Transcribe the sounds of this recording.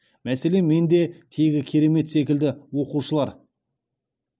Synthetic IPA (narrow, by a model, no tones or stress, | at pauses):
mæse̞le̞me̞nd̪e̞t̪ʰe̞ɡʲɪkʲʰe̞ɾe̞me̞t̪se̞kʲɪld̪ɪwo̞quʃəlˠɑɾ